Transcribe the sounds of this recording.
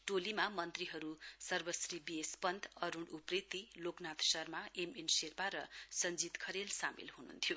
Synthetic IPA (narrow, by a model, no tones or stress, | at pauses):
ʈolimamʌnt̪riɦʌɾusʌrbʌsribiespʌnd̪ʌɾuɳɽuprit̪iloknat̪sʌrmaemenserpaɾʌsʌnd͡zit̪kʰʌɾelsamḭlɦunṵnt̪ʰijo